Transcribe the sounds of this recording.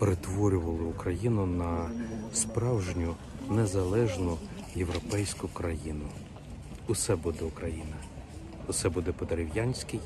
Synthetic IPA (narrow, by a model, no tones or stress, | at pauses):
peɾet̪ʋɔɾʲʊʋɐlˠɪʊkɾɐjinʊnɐspɾɑwʒnʲʊ | nezɐlˠɛʒnʊjewɾɔpɛjsʲkʊkɾɐjinʊ | ʊsɛbud̪ɛʊkɾɐjinɐ | ʊsɛbud̪ɛpɔd̪eɾʲɪwjɑnʲsʲkɪj